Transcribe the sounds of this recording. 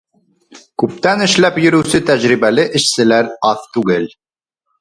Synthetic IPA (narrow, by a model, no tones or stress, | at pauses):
kʉp̚t̪ænɘ̆ʃlæpjɵ̆ɾʉwsɘt̪æʑɾiβælɘʔɘ̆ʃsɘ̆læɾɑθt̪ʉɡɘl